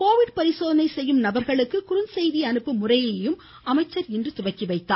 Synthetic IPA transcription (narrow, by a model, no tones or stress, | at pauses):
koːʋɪɽpɐɾɪsoːðɐnɐɪsɛjːɯmnɐbɐɾɣɐɭɯkːɯkʊɾʊnsɛjðiɐnɯpːɯmʊrɐjɐjɯm | ɐmɐɪt͡ʃːɐɾɪndrɯt̪ʊʋɐkːiʋɐɪt̪ːa̰ː